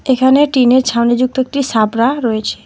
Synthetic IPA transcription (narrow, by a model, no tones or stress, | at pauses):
ekʰaneʈineɾt͡ʃʰawnid͡ʑuk̚t̪oek̚ʈisabɾaɾɔet͡ɕʰe̥